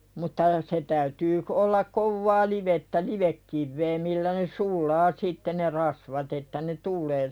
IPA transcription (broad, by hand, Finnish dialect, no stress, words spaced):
mutːɑ se tæytyː k olːɑk koʋːɑː liʋetːæ liʋekːiʋːeː milːæ ne sulˑɑː sitːe ne rɑsʋɑt etːæ ne tulˑeː